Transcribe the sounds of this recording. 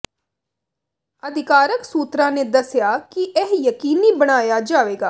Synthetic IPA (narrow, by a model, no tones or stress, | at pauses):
əd̪ʱɪkaːɾəksuːt̪ɾãned̪ɐsjaːkiʔɛɦjəkiːnibəɽ̃aːjad͡ʒaːʋeːɡaː